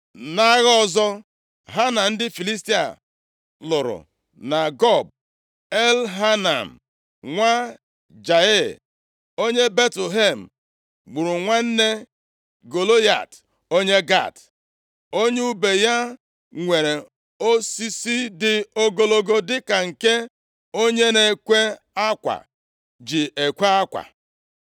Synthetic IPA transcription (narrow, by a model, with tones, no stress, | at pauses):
na˦ɣɔ˦˨zɔ˦ | ɦa˦na˨n̩˦dɪ˦fi˨li˦s̬ti˦a̰˨ | lʊ˨ɾʊ̰˨ | na˨ɡɔ˦˨b̚ | e˦lɦa˦na̰˨m̩˨ | ŋʷa˦ | d͡ʒa˨e˦˨ | o˦ɲe˦be˦tlɦe˨m̩˨ | ɡ͡bu˨ɾu˨ŋʷa˦n̩˦ne˦ | ɡo˨lo˦ja̰˨t | o˦ɲe˦ɡa̰˦˨t | o˦ɲe˦u˦be˨ja˦ | ŋʷe˨ɾe˨ | o˦si˦si˦dɪ˨o˦ɡo˦lo˦ɡo˦dɪ˦ka˨ŋ̩˨ke˦ | o˦ɲe˦ne˨kʷe˦ | a˦kʷa̰˨ | d͡ʒi˨e˨kʷe˦a˦kʷa̰˨